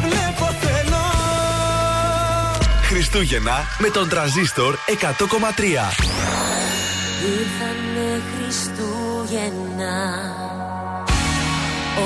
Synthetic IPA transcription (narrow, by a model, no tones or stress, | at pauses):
vlɛpot̪elo | xɾist̪uʝenɐ | me̞t̪o̞nt̪ɾɐnzist̪oɾekɐt̪oko̞mɐt̪ɾiɐ | ixɐnexɾist̪u | ʝe | n | ɐ